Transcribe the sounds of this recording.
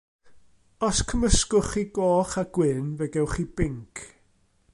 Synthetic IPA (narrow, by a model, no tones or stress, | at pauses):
ɔskʰəməskʊχiːɡoːχaɡ̥wɪnvɛɡɛwχiːb̥ɪŋkʰ